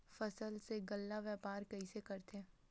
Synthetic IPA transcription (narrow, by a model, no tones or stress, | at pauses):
fɐsəlseɡɐlːaʋɛːpaːɾkɐisekɐɾt̪ẽː